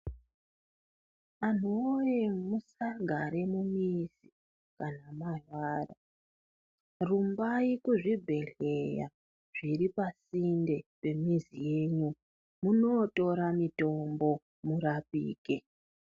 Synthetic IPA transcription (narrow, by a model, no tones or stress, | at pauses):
an̤ojemusaɡʱaɾe̞mumizi̥ | kanamaɮwaːra | rumbaikuʐibʱe̞ɮe̞ja̰ | ʐ̥iɾipasinde̞pe̞mizije̞ɲu | muno̞to̞ɾamito̞mbo̞ | muɾapḭːke